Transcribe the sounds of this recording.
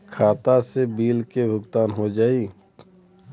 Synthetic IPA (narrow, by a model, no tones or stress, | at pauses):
kʰaːt̪asebiːlkebʱʊɡt̪aːnɦod͡ʒaːiː